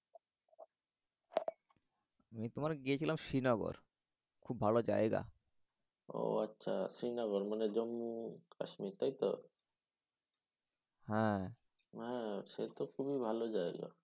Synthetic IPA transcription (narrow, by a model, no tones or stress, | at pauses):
amit̪omaɾɡiet͡ɕʰilamʃinaɡo̰ɾ | kʰubʱalod͡ʑa̰eɡa̰ | o̰atːɕʰa̰ʃinaɣoɾmaned͡ʑomːuka̰ʃmit̪ajt̪o̰ | hɛ̃ | ɦɛ̃ʃet̪okʰubibʱalod͡ʑaeɡa̰